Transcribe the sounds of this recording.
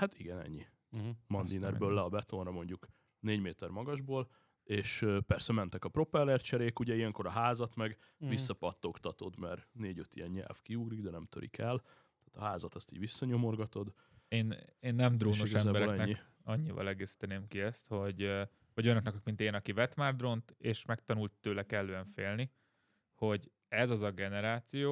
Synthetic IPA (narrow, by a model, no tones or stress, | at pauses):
hat̪iɡɛnɛ̰ɲːi | mɒnd̪inɛrbøːlːɛɒbɛt̪o̞nrɒmo̞ɲɟuk | neːɟmeːt̪ɛrmɒɡɒʒboːl | eːʃpɛrsɛmɛnt̪ɛkɒpɾo̞pɛlːɛrt͡ʃɛɾeːkuɟɛijɛŋko̞ɾɒɦaːzɒt̪mɛɡ | visːɒpɒt̪ːo̞kt̪ɒt̪o̞d̪mɛ̰rneːɟøt̪ijɛɲɲɛ̰lfkiuɡliɡd̪ɛnɛmt̪øɾʔḭkʰɛl | t̪aːt̪ɒɦaːzɒt̪ɒst̪iːɟʋisːɒɲo̞mo̞rɡɒt̪o̞d̪ | eːneːnːɛmd̪roːʃnoʃɛmbɛɾɛkɛnɛɲːi | ɒɲːivɒ̰lɛɡeːsi̥t̪ɛneːmkiɛst̪ho̞ɟ | vɒɟøjnøknɛkɒkmint̪eːnɒkivɛt̪maːrd̪ro̞nt̪eːʃmɛk̚t̪ɒnult̪ːøːlɛkɛlːøːɛɱfeːlni | ho̞ɟ | ɛzɒzɒɡɛnɛɾaːt̪sijoː